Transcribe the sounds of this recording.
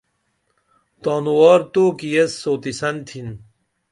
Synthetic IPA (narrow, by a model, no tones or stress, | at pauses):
t̪aːnuwaːɾt̪oːkijɐsːoːt̪isɐnt̪ʰin